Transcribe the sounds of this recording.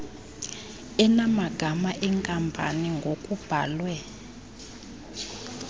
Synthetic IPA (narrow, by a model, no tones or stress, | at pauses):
ɛnamaɡ̥ʱamaʔɛŋkʼampʼa̰niŋɡʱokʼub̥ʱaːlwɛ